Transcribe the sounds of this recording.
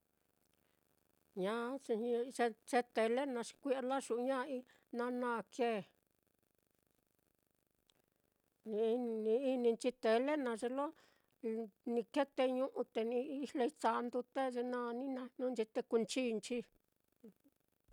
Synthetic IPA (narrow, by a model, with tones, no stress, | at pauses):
ɲã˦˧ | t͡ʃe˧t͡ʃe˧t̪e˧le˦nã˧ʂi̥˧kʷi˦ʔa˧la˦ʃu˨ʔɲã˦˧i˧ | nã˧nã˦˧kʰe˦˨ | ĩ˧n˧nĩ˧i˦nĩ˧nt͡ʃi˧t̪e˨˧le˦nã˧ʐe˧lo˦ | nĩ˧ke˦t̪e˧ɲũ˦ʔũ˧t̪e˧nĩ˧˦˧le˧i˦t͡ʃa˧nd̪u˧t̪e˦ʐe˧nã˦˧nĩ˦nã˧nũ˦nt͡ʃi˧t̪e˧ku˧nt͡ʃiː˦˧nt͡ʃi˧˦